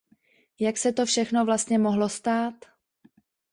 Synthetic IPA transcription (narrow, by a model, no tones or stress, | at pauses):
jaksɛt̪o̞fʃɛxno̞vlast̪ɲɛmoɦlo̞st̪aːt̪